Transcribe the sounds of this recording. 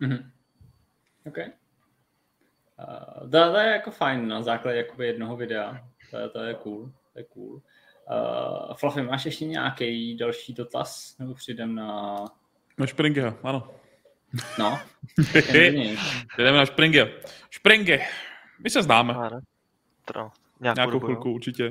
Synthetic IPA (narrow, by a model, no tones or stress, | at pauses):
m̩ɦm̩ | owkɛj | t̪ot̪ojɛjakofajnːazaːklaɟɛjakobɪjɛdnoɦovɪdɛat̪o̰t̪ojɛkuːlt̪ojɛkṵːl̰ː | flafɪmaːʃjɛʃcɛɲa̰ːkɛjdalʃiːdot̪a̰snɛbopr̥ɪjdɛmna | naʃpɾɪŋɡɛaʔano | no | ɛɲɛjpɾɛjdɛmɛnaʃpɾɪŋɡɛaʃpɾɪŋɡɪ | mɪsɛznaːmɛ | aːɲaːkowɪlkuuɾt͡ʃɪcɛ